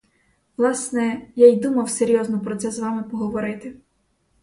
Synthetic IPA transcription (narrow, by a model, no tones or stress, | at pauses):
ʋlˠɑsnɛjajd̪umɐwseɾʲjɔznɔpɾɔt̪sɛzʋɑmɪpɔɦɔʋɔɾɪt̪ɪ